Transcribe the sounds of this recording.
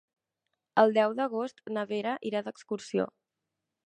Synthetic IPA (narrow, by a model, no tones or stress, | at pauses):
əlˠd̪ɛwðəɣ̞ost̪nəβeɾəʔiɾaðəkskuɾsio̰